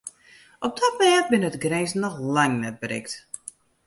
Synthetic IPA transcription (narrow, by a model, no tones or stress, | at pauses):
ɔp̚dɔt̚mɛt̚bɪnətɡreːsnɔxlaŋnɛt̚bərɪ̰kt